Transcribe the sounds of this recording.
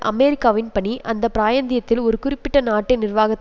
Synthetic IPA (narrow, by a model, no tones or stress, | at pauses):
ʔɐ̰meːɾɪkːaːʋɪnpɐɳiʔɐnd̪ɐpɪɾaːjɐnd̪ɪjɐt̪ːɪlɔɾɯkʊɾɪpːɪʈːɐnaːʈːɐnɪrʋaːɣɐt̪ː